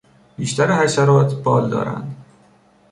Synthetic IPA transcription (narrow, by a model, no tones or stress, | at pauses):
b̥iːʃt̪æɾehæsæɾɒːt̪ʰb̥ɒːld̪ɒ̰ːɾæ̰nd̪